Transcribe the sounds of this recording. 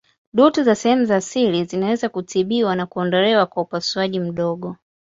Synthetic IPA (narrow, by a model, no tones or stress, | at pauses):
ɗutuzasɛhɛmuzaːsilizinawɛzakutiɓiwanakuɔndɔlɛwakwaupasuaʄim̩ɗɔɡɔ